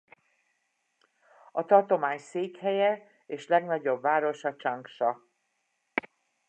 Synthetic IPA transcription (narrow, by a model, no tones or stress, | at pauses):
ɒt̪ɒrt̪o̞maːɲseːkhɛjɛ | eːʃlɛɡnɒɟo̞bvaːɾo̞ʃɒt͡ʃɒŋkʃɒ